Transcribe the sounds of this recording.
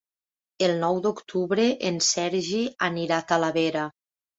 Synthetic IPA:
elˠnɔwd̪ukt̪ʰuβɾeʔensɛɾʒianiɾat̪alaβeɾa

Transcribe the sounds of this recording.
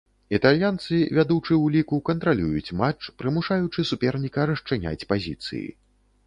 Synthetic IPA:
it̪alʲjant̪sɨvʲad̪ut͡ʂɨwlʲikukɐnt̪ɾalʲujut͡sʲmat͡ʂpɾɨmuʂajut͡ʂɨsupʲɛrnʲikɐɾɐʂt͡ʂɨnʲa̰t͡sʲpazʲḭt̪sɨ̰jḭ

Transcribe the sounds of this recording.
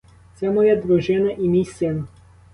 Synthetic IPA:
t̪sɛmɔjɛd̪ʋɔʒɪnɐʔimʲisʲjɐ

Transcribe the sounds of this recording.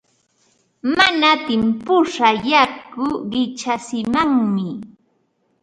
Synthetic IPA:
manat̪ɪmpʊʂajakʊɢɪt͡ʃasɪmaŋmɪ

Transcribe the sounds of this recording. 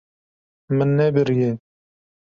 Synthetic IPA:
mɨnːɛbɨɾje

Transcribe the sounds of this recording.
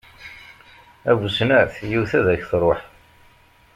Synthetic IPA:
ævusnəθjiwθæðæçθɾˤoħ

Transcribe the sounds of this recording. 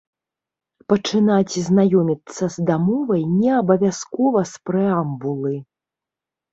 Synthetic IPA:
pɐt͡ʂɨnat͡sʲznajɔmʲit̪sːɐzd̪amɔvɐjnʲɛɐbɐvʲaskɔvɐspɾɛambulˠɨ

